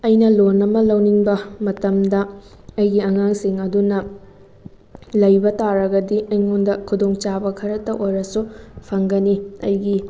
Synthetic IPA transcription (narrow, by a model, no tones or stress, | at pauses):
ɐjnɐlonɐmɐlɐwniŋbɐmɐtɐmdɐ | ɐjɡiɐŋaŋsiŋɐdunɐ | lɐjbɐtaɾɐɡɐdiɐjŋondɐkʰudoŋt͡ʃabɐkʰɐɾɐtɐʔojɾɐsupʰɐŋɡɐniɐ̰jɡi